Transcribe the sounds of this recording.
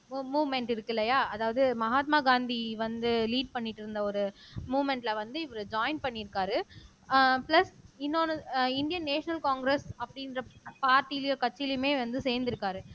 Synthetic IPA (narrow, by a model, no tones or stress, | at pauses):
muːʋmɛɳʈɪɾɯkːɪlːɐjaːɐðaːʋɐðɯmɐɦaːt̪̚maːɡaːnd̪iʋɐnd̪ɯliːɖ̚pɐɳːɪʈːɪɾɯnd̪ɐɔɾɯmuːʋmɛɳʈlɐʋɐnd̪ɯɪʋɐlɯd͡ʒaːɪnpɐɳːɪɾɯkːaːɾɯ | plɐsɪnːoːnɯɪnɖɪjɐnneːʂɐnɐlkaːŋɡɾɛsɐpːɐɽɪnɾɐpaːɾʈːijɪlɪjõkɐt͡ʃːɪlɪmeːʋɐnd̪ɯseːnd̪ɪɾɯkːaːɾɯ